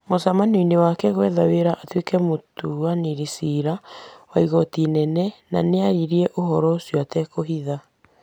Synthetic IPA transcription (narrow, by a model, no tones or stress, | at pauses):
mosamanoinewakɛɣwɛðaweɾaʔatwekɛmotuaniɾisiɾawaiɣɔtinɛnɛnaneaɾiɾiɛʔoɦɔɾɔosjoatɛkoɦiða